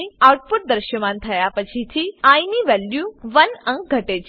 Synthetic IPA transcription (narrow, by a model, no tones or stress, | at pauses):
iawʈ̚puʈ̚d̪əɾʃəmant̪ʰəjapət͡ɕʰit̪ʰiainiʋɛljuʋənə̃ŋk̚ɡʱəʈet͡ʃ